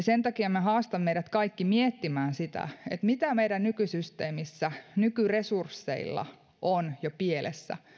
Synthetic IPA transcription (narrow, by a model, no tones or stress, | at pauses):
sent̪ɑkiɑmæhɑːst̪ɑmmejɾæt̪kɑikːimiet̪ːimæːnsit̪æ̰et̪mit̪æmeidænnykysyst̪eːmisːænykyresursːḛilːɑ̰ | ʔonjopielʔḛsːæ̰